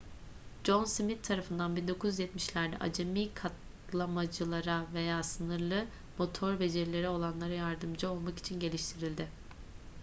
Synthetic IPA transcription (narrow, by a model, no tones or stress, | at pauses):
d͡ʒo̞nsimit̪ʰːaɾafɯnd̪anbind̪o̞kʰuzyzjɛt̪miʃlʲæɾd̪ɛ̰ʔa̰d͡ʒemiːkʰat̪ | lˠamad͡ʒɯlˠaɾave̞jaːsɯnɯɾlˠɯ | mo̞t̪ʰo̞ɾbe̞d͡ʒeɾlʲe̞ɾɛo̞lˠanlˠaɾajaɾd̪ɯmd͡ʒao̞lˠmaki̥t͡ʃʰinɟe̞lʲiʃt̪ʰiɾilʲd̪ɪ